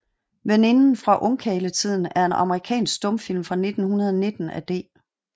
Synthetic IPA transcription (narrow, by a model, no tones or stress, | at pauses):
ʋene̝nn̩fʁɑ̈ʔɔŋkʰɛːlət͡sʰið̞̰ˠn̩æɐe̝nɑ̈məʁikʰɛ̰ːnsɡ̥d̥ɔ̽mfil̰mfʁɑ̈ne̝d̥n̩hunɐð̞ˠɒne̝d̥n̩æd̥e̝̰ː